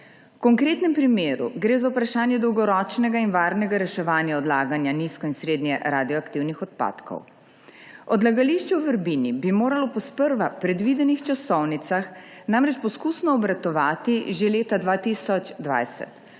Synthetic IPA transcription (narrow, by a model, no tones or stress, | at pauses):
wkɔŋkɾeːt̪nɛmpɾimeːɾṵɡɾeːzaupɾaʃaːnjɛd̪ɔwɡɔɾɔːt͡ʃnɛɡainʋaːɾnɛɡaɾɛʃɛʋaːnjaɔd̪laːɡanjaniskɔinsɾeːd̪njɛɾaːd̪iɔakt̪iwnixɔt̪̚pa̰ːt̪kʰɔ̰w | ɔd̪laɡaliʃt͡ʃɛuʋəɾbinibimoːɾalɔpɔspəɾʋapɾɛd̪ʋiːd̪ɛnixt͡ʃasɔwnit̪saxnamɾɛt͡ʃpɔskuːsnɔɔbɾat̪ɔʋaːt̪iʒeleːt̪ad̪ʋaːt̪isɔt͡ʃd̪ʋa̰jsɛ̰t̪